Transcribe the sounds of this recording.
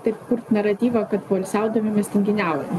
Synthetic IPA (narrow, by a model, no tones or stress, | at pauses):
t̪ɐɪpkʊɾt̪nɐɾɐt̪ʲiːʋɐkɐt̪bɐlʲsʲæˑʊd̪ɐmʲɪmʲɛsʲt̪ʲɪŋʲɡʲɪnʲæˑʊjɛn